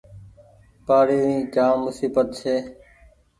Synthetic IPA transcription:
paːɽiːʋĩːɡaːʊsiːbət̪t͡ʃʰeː

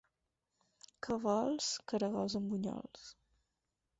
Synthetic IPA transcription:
kʰəβɔlˠskəɾəɣalzəmbuɲɔ̰ls

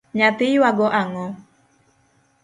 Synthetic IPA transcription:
ɲat̪ɪjwaɡɔʔaŋɔ

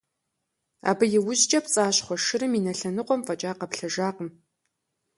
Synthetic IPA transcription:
a̰ːbɨjɪwʊʑt͡ʃʼɐpt͡sʼaːɕχʷɔʂɨɾɨminɐɬɐnɨqʷɔmfʼɐt͡ʃʼaːqɐpɬɐʒaːqəm

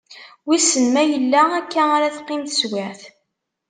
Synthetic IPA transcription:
wisənmæjəlːæækːæaɾaθqːɪmθə̥swæθ

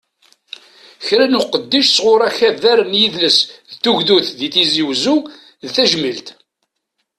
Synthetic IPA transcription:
çɾænuqəd̪ːiʃsʁʊɾˤæçæðæɾənjiðləsðt̪ːuʝðuθðiθiziwzu | ðθæʒmilt̪

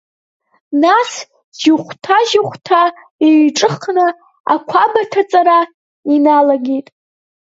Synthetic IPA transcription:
nas | ʒʊχʷtʰaʒʊχʷtʰa | eʈ͡ʂʼɨχnɨ | a̰kʷʰabatʰat͡sʼaɾa | inalaɡʲitʼ

